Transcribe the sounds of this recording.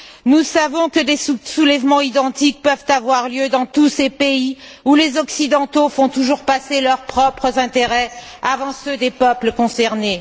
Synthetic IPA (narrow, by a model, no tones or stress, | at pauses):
nusavɔ̃kəd̪esusulɛvmɑ̃id̪ɑ̃t̪ik̚pœvt̪avwaʁljød̪ɑ̃t̪usepeiulezɔksid̪ɑ̃t̪ofɔ̃t̪uʒuʁpaselœʁpχɔpχəzɛ̃t̪eʁɛ | avɑ̃sød̪epœpləkɔ̃sɛʁne